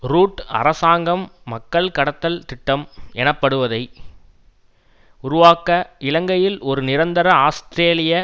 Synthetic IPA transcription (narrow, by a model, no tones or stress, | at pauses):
ɾuːʈːɐ̰ɾɐsaːŋɡɐmːɐkːɐɭkɐɽɐt̪ːɐlt̪ɪʈːɐmɛnɐpːɐɽɯʋɐðɐɪ | ʊɾʊʋaːkɐɪɭɐŋɡɐjɪlɔɾɯnɪɾɐnd̪ɐɾɐaːsʈɾeːlɪjɐ